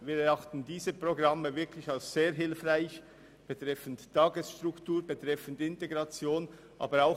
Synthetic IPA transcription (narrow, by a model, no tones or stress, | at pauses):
viːɾɛɑχtn̩diːzəpʁ̥oɡʁɑməvɪɐkʰlɪçalsz̥eːɐɦɪlfʁaɪç | b̥etʁ̥ɛfn̩ttʰːɑːɡəsʃtʁʊktuːɾbətʁ̥ɛfn̩dɪnteɡʁɑt͡sjoːn | ʔɑ̰ːbəɾaʊx